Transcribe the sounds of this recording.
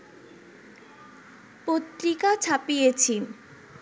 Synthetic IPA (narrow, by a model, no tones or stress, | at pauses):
pot̪ɾikat͡ɕʰapijet͡ɕʰin